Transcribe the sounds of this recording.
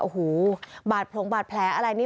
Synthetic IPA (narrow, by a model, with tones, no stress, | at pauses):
ʔo˨˩huː˩˦baː˨˩t̪̚pʰlo˨˩˦ŋbaː˨˩t̪̚pʰlɛː˩˦ʔa˧ɾa˧jniː˥˩